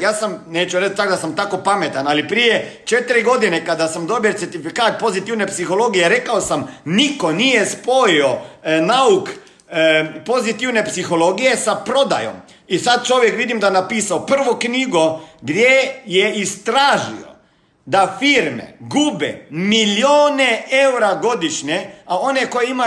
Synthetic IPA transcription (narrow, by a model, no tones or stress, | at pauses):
jaːsamneːt͡ʃuɾɛt͡ʃt̪akd̪asamt̪aːkopamet̪analipɾijɛt͡ʃɛt̪ɾiɡod̪inɛkad̪asamd̪obit̪sɛɾt̪ifikaːt̪̚pozit̪iwnɛpsixoloːɡijɛɾɛkaosamnikonijɛspoionauk | pozit̪iwnepsixoloɡijɛsapɾoːd̪a̰jɔ̰m | isat̪̚t͡ʃoːʋjɛkʋiːd̪imd̪anapiːsawpərʋɔkniːɡɔɡd̪jɛjɛist̪ɾaːʒḭɔ̰ | d̪afiːɾmɛ̰ɡuːbɛ̰miljoːneɛwɾaɡod̪iʃɲɛaoːnɛkojima